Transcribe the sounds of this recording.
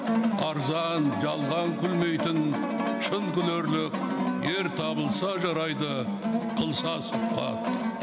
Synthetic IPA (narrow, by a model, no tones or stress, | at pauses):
ɑɾzɑnʒɑlˠʁɑŋkʲʰʏlme̞jt̪ɪn | ʃənkʲʰʏleɾlɪk̚ʲ | e̞ɾt̪ʰɑbəlˠsɑʒɑɾɑjd̪ə | qʰəlˠsɑsʊqqɑ̰t̪